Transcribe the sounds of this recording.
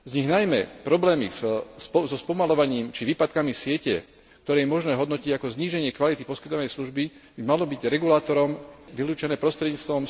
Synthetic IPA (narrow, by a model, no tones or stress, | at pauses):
zɲiɣnajmɛpɾɔblɛːmḭfspɔzɔspɔmalɔʋaɲiːmt͡ʃiʋiːpat̪kamisɪɛcɛ | k̚t̪ɔɾɛːjɛmɔʒnɛːɦɔd̪nɔciɟakɔzɲiːʒɛɲɪɛkʋalit̪ipɔskit̪ɔʋanɛjsluʒbib̥imalɔbiɟɾɛɡulaːt̪ɔɾɔmʋiluːt͡ʃɛnɛːpɾɔst̪ɾɛd̪ɲiːt͡st̪ʋɔm